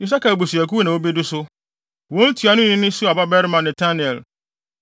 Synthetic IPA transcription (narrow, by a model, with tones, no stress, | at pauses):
ji˨s̬a˦ka˨bu˨su˨ɛ˨ku˦nã˨wo˦bi˦dʊ˦sʊ˦ | wɔ̃˦n̩˦tʰu˨a˨nʊ̃˦˨nɪ̃˦nɪ̃˦su˦a˨ba˦bɛ˦ɾmã˨nɛ̃˨tʰa˦ni˨ɛ˨l